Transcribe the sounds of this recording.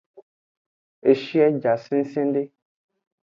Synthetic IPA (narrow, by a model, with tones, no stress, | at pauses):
e˨ʃi˦ɛ˦d͡ʒa˨sĩ˦n̩˦sĩ˦n˦ɖe˦